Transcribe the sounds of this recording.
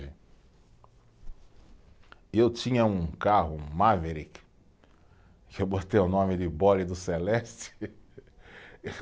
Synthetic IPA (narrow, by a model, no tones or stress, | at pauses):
ɪ | ewt͡ʃĩɲɐũkaɦʊ̃maveɾik | kɪewbot̪ejʊnõmɪd̪ɪbɔlid̪ʊselɛst͡ʃɪ̥